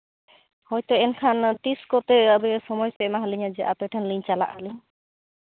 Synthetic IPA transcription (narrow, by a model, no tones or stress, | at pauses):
hɔjt̪ɔɛnkʰant̪iskɔt̪ɛəbɛɛsɔmɔjsɛɛmaɦaliɲad͡ʒɛʔa̰t̪ɛʈʰɛnliɲt͡ʃala̰ʔhaliɲ